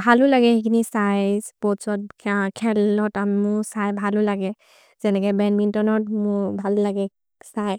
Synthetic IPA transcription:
bʱalulaɡɛhikʰinisajzpɔsɔt̚kʰɛlɔtammʊsajbʱalulaɡɛ | zɛnɛkɛbɛnmintɔnɔt̚mʊbʱallaɡɛ | saj

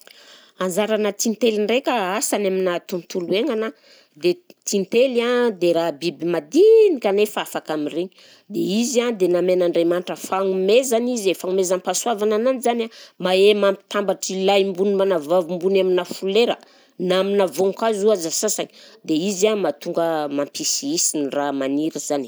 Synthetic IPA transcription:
and͡ʒaɾanət̪int̪elinrekaasanaminat̪unt̪ulueŋana | d̪et̪int̪eliad̪eɾaɦbibimad̪inikanefaafakamireɲi | d̪ḛizand̪enamenaɳɖ͡ʐemanʈ͡ʂəfaŋumezanizefaŋumezanpaswavanananizanamaemami̥t̪ambaʈ͡ʂilajmbunimanavavumbunaminafuleɾə | naminavoŋkazuazasasani̥d̪eizamat̪uŋɡəmampisiisinramaniɾəzani̥

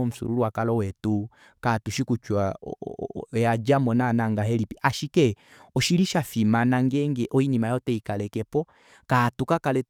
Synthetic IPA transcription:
ɔm̩sṵɾuluwakalɔwɛtu | katuʃikut͡ʃwa | jad͡ʒamɔnanaŋɡaɦɛlipiʔaʃikɛ | ɔʃiliʃafimanaŋɡɛŋɡɛʔɔinimajɔtɛikalɛkɛpɔ | katukakalɛ

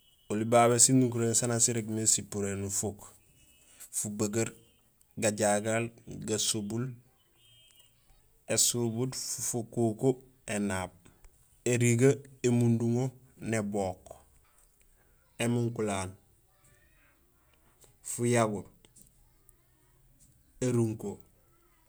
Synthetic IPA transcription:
olibaβesinukuɾeːnsanasiɾeɡmesipuɾenufuk | fubaɡaɾ | ɡaɟaɡalɡasubul | esubudfufukuko | enaːb̚ | eɾiɡaemunduŋo | neboːk | emuŋkulaːl | fujaɡuɾ | eɾuŋko

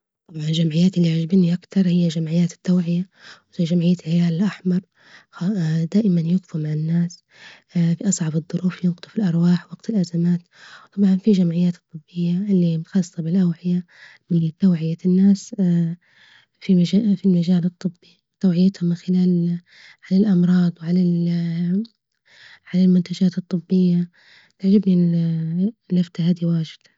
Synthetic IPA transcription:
t̪ˤɑbʕɑnɪlʒamʕɪjːaːt̪ɪlːiʕaʒabɪniʔakt̪ɑɾˤhɪjːaʒamʕɪjːaːt̪ɪ̥t̪ːawʕɪja | wiʒamʕɪjːalʕɪjaːlɪlʔaħmɑɾˤ | d̪aːʔɪmanjʊɣfumaʕɪnːaːs | fiʔɑsˤʕɑbɨðˤːʊɾuːfjʊnqt̪ˤufilʔɑɾˤwaːħwɑɡt̪ɪlʔazamaːt̪ | t̪ˤɑbʕɑnfiʒamʕɪjːaːt̪ɨt̪ˤːɨbːɪjːaɪlːimʊt̪xɑsˤtˤɑbɪlʔawʕɪja | mɪnt̪ːawʕɪjanːaːs | fiafilmad͡ʒaːlɨt̪ˤːɨbːi | t̪ːawʕɪjːat̪hʊmɪnxɪlaːl | ʕalalʔɑmɾˤɑːd̪ˤwʕalal | ʕalalmʊnt̪ad͡ʒaːt̪ɨt̪ˤːɨbːɪjːa | t̪aʕd͡ʒabni | naft̪ahaːd̪iwaːʒɪd̪̥

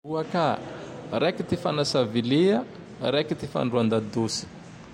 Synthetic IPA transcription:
uaka | ɾekit̪ifanasavileə | ɾekit̪ifa̰ɳɖ͡ʐuand̪ad̪usi̥

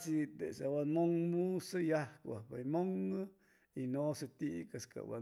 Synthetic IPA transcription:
sit̪esawanmoŋmusɨjahkʷa̰bajmoŋ | inosɨt̪iʔkaska̰wa̰

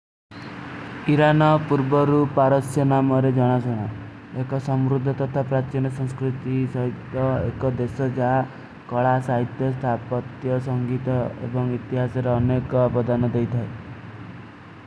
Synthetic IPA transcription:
iɾanɔpuɾbɔɾupaɾɔsjɔnamɔɾed͡ʒɔɽ̃asɔɽ̃ɔ | ekɔsɔmɾud̪ʱːɔt̪ɔt̪ʰapɾat͡ʃinɔsɔŋskɾut̪isɔɦit̪ːɔḛkɔd̪esɔd͡ʒaɦa | kɔɭasaɦit̪jɔst̪ʰapɔt̪jɔsɔŋɡit̪ɔḛbɔŋit̪iɦasɔɾeɔnekɔbɔd̪anɔd̪ejt̪ʰae

